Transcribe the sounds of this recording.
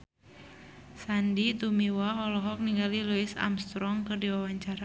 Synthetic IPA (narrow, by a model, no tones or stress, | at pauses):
sandit̪umiwaɦɔlɔɦɔk̚niŋɡaliluɪsa̰mst̪ɾɔŋkɨrdiwawaɲt͡ʃaɾa